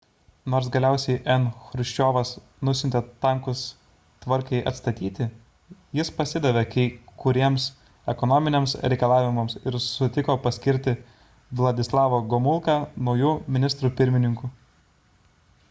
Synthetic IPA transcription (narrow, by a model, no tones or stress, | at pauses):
noːɾsɡɐlʲæˑʊsʲɛɪʔɛnxɾʊʃʲt͡ʃʲoːʋɐs | nʊsʲɪnʲt̪ʲet̪ɐŋkʊs | t̪ʋɐɾʲkɐɪʔɐt̪st̪ɐt̪ʲiːt̪ʲɪ | jɪspɐsʲɪd̪ɐʋʲekɐɪkʊɾʲiɛms | ɛkɔnɔːmʲɪnʲeɛmsɾʲɛɪkɐlˠɑːʋʲɪmɐmsɪɾsʊt̪ʲɪkoːpɐsʲkʲɪɾʲt̪ʲɪ | ʋlˠɐd̪ʲɪslˠɑːʋoːɡɔmʊlˠkɑnɐʊjuːmʲɪnʲɪst̪ɾuːpʲɪɾʲmʲɪnʲɪŋkuː